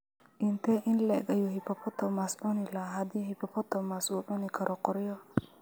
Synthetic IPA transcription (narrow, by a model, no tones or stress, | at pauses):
ʔɪnt̪ʰɛʔɪnlɛ̰ɡɐjuhɪpʰɔpʰɔt̪ʰɔmaːsʕʊnɪlɐɦɐd̪iːhɪpʰɔpʰɔt̪ʰɔmasuːʕʊnɪkʰɐɾʔɔqɔɾjɔ